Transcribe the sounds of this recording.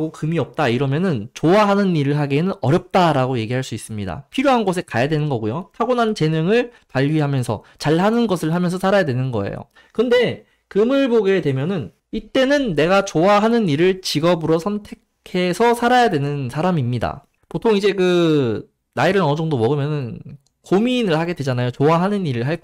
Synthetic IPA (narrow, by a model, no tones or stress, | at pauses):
ɡokɯmiʌp̚t͈aiɾʌmjʌnɯnt͡ɕoaɦanɯniɾɯɭɦaɡenɯnʌɾjʌp̚t͈aɾaɡoje̞ɡiɦaɭs͈uis͈ɯmɲida̰pʰiɾjoɦanɡosʰe̞kajadwe̞nɯnɡʌɡujotʰaɡonant͡ɕe̞nɯŋɯɭ | paʎːɥiɦamjʌnsʰʌ̰t͡ɕaɭhanɯnɡʌsʰɯɭɦamjʌnsʰʌsʰaɾajadwe̞nɯnɡʌ̰ḛjo̰ | kɯnde̞ | kɯmɯɭboɡe̞dwe̞mjʌnɯn | it͈e̞nɯnːe̞ɡat͡ɕoaɦanɯniɾɯɭt͡ɕiɡʌbɯɾʌsʰʌntʰe̞kʰe̞sʰʌsʰaɾajadwe̞nɯnsʰaɾamimɲida̰ | potʰoŋid͡ʑe̞kɯ | naiɾɯɾʌnɯd͡ʑʌŋdomʌɡɯmjʌnɯn | kominɯɭhaɡe̞dwe̞d͡ʑanajot͡ɕoaɦanɯniɾɯɭɦaɭk